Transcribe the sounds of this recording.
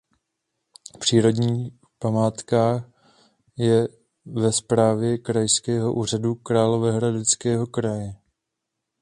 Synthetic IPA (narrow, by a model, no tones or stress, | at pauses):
pr̥iːɾo̞dɲiː | pamaːt̪kaːx | jɛ | vɛspɾaːvjɛkɾajskɛːɦo̞ʔuːr̝adukɾaːlo̞vɛɦɾadɪt͡skɛːɦo̞kɾajɛ